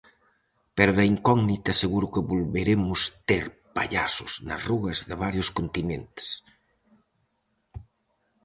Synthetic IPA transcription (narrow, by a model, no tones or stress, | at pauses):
peɾʊðaiŋkɔɡnit̪ɐseɣuɾʊkəβolβeɾemʊst̪eɾpa̰ʎasʊsnɐzruɣɐzðəβ̞aɾjʊskont̪inent̪e̥s